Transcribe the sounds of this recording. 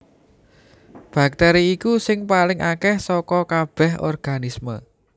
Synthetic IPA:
b̥a̤k̚t̪ɛɾiːkusɪŋpalɪŋʔakɛhsɔkɔkab̥ɛ̤ɦɔ̰rɡ̥a̤nismə̰

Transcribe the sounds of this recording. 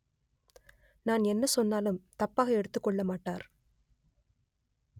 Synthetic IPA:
naːnɛnːɐsɔnːaːlɯmt̪ɐpːaːɣɐɛɽɯt̪ːɯkːɔɭːɐmaːʈːaːɾ

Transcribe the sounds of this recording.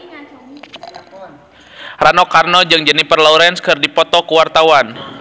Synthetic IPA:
ranɔkarnɔd͡ʒɨŋd͡ʒənipərlɔuɾɛnskɨrdipɔt̪ɔkuwart̪awan

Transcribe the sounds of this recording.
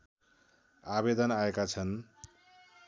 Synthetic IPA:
abed̪ʌnaekat͡sʰʌn

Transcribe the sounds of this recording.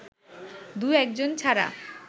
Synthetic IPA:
d̪uɛk̚d͡ʑont͡ɕʰaɾa̰

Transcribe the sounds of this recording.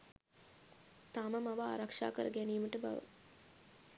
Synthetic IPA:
t̪aməmaʋaa̰ɾakʂa̰ːkəɾəɡæniːməʈəba̰ʋə̰

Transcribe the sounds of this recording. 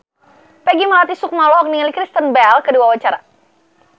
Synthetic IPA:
pɛɡimalat̪isʊk̚malɔɔk̚nialikɾist̪ənbɛlkəduwawat͡ʃaɾa

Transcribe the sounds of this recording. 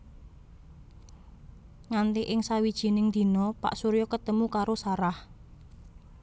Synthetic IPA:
ŋant̪eʔɪŋsawid̥ʒ̥i̤nɪŋd̪̥i̤nɔpa̰ʔsuɾjɔkət̪əmukaɾosaɾah

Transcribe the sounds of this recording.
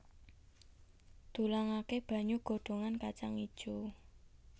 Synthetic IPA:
d̪̥ṳlaŋakeb̥ä̤ɲuɡ̥o̤ɖ̪̥o̤ŋankat͡ʃa̰ŋid̥ʒ̥u

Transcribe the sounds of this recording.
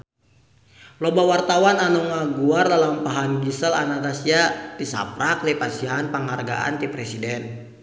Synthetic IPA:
lɔbawart̪awananuŋaɡuardalampaɦanɡisəla̰nat̪asiat̪isa̰pɾaklipasianpaŋɦarɡa̰ʔa̰nt̪ipɾɛsidɛn

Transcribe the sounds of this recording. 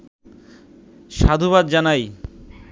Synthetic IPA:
ʃad̪ʱuβad̪d͡ʑanaj

